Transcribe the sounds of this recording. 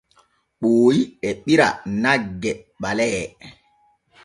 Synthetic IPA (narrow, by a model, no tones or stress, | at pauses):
ɓoːjiɛɓiɾa̰naɡːɛɓalɛ